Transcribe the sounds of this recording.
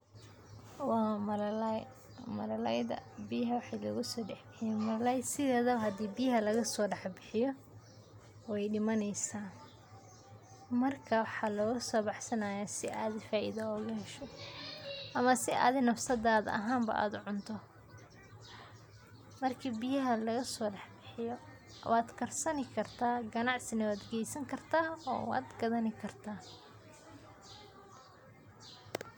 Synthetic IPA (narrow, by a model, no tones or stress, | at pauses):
wɑːmɐlɐlj | mɐlɐlɛjðɐ̰bijɦɐwɑħɑjlɐ̰ɣʊsɔːɖɑħbɪħɪjɛmɐlɐlɛjsɪðɛːðɐwɦɐd̪iːbijɦɐlɐɣɐsɔːɖɑħbɪħɪjɔ | wɛjɖɪmɐnɛjsaːn | mɐrkʰɐwɑħɑːlɔːɣʊsɔːbɑħsɐnaːjaːsɪʔaːðɪfaːʔḭðɐɔːɣʊhɛʃɔ | ʔɐmɐsɪʔa̰ːðɪnɐfsɐðaːðɐ̰ɦaːmbɐ̰ʔa̰ːd̪ʊʕʊnt̪ʰɔ | mɐrkʰiːbɪjɐɦɐlɐɣɐsɔːɖɑħbɪħɪjɔ̰ | waːd̪kʰɐrsɐnɪkʰɐrt̪ʰaːɡɐnɑʕsɪnɐwaːd̪ɡɛjsɐŋkʰɐrt̪ʰaːɔ̰ːwa̰ːd̪ɡɐðɐnɪkʰɐrt̪ʰaː